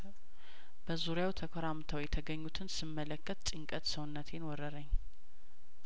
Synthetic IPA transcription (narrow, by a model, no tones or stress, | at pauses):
b̥əzuɾjawt̪ʰəkʰoɾamt̪ʰəwjɛt̪ʰəɡəɲːut̪ʰɨnsɨmːələkʰːət̪t͡ʃʼɨŋkʼət̪səwnːət̪ʰe̞nwɔɾəɾəɲː